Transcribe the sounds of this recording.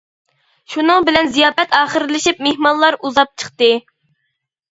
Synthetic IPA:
ʃunɨŋbɪlɛnzijɑːpɛt̪ɑːχəɾlɪʃip̚mehmɑnlˠɑɾuzɑp̚t͡ʃʰəχt̪ɨ

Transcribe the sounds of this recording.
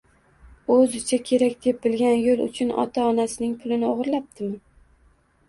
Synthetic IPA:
ɵzɪt͡ʃʰakʲʰe̞ɾakʲd̪̥e̞p̚bɪlɡʲanjolˠʊ̰t͡ʃʰʊnɒ̰t̪ʰaɒnasɪnɪŋpʰʊlˠɪnɪoʁɨɾlap̚d̪ʰɪmɪ

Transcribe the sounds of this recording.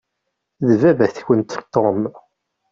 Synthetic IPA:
ðəvævæθçənt̪t̪ːom

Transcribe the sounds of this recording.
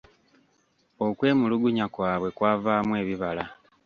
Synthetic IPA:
o̞kwe̞ːmuluɡuɲakwaːβwe̞kwaːvaːmwe̞ːβiβala

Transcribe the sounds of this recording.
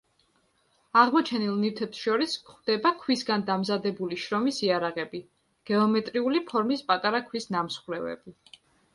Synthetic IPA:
aʁmɔt͡ʃʰɛnilˠnit̪ʰɛpsʃɔɾiskχd̪̥ɛbakʰwisɡand̪amzad̪ɛbuliʃɾɔmisiaɾaʁɛbi | ɡ̥ɛɔmɛt̪ʼɾiulipʰɔɾmispʼat̪ʼaɾakʰwisnamsχwɾɛvɛ̰bi

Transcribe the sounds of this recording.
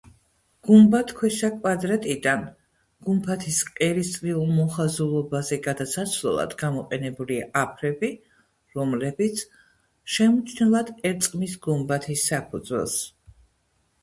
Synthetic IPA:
ɡ̥umbat̪ʰkʰwɛsakʼwad̪ɾat̪ʼid̪an | ɡ̥umpʰat̪ʰisqʼɛɾist̪sʼɾiulˠmɔχazulˠɔbazɛɡad̪asat̪sʰlɔ̰lˠa̰d̪ɡamɔqʼɛnɛbuliaʔapʰɾɛbi | ɾɔmlɛbit̪sʰ | ʃɛmut͡ʃʰnɛlˠad̪ɛɾt̪sʼqʼmisɡumbat̪ʰisːapʰud̪zwɛ̰lˠs

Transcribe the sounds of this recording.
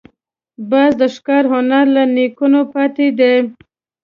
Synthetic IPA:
bɑzd̪əʃkɑɾhʊnaɾlanikunopɑt̪ed̪e

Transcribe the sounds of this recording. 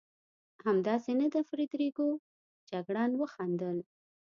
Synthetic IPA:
hamd̪ɑsenad̪əfɾed̪ɾeɡo | d͡ʒaɡɽɑnwəxɑnd̪əl

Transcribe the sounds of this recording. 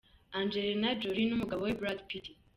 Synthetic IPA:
and͡ʒeɾenad͡ʒoɾinumuɡaβowebɾadpiti

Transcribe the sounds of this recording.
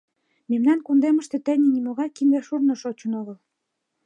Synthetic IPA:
memnɑnkund̪emə̆ʃt̪ĕt̪ænʲinimoɣɑjkimd̪eʃurnɤ̆ʃot͡ɕə̆noɣəl

